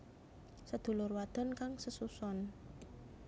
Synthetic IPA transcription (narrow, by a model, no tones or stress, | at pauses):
səd̪̥ṳlʊrwad̪̥ɔ̤nkaŋsəsusɔn